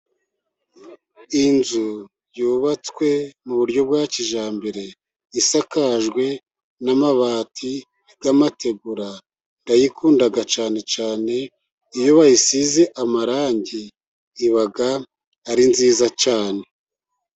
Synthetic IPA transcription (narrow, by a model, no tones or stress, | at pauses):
inzu | juːβat͡skwe̞muβuɾɟo̞b̚ɡaːt͡ʃiʒaːmbeɾe̞ | isakaʒɡwe̞ | namaβaːtʰi | ɡ̥amate̞ɡuɾa | ndajikuːndaɡat͡ʃaːne̞t͡ʃaːne̞ | ijoβajisizeʔamaɾaːɲɟiː | βaɡaː | ɾinziːzat͡ʃaːne̞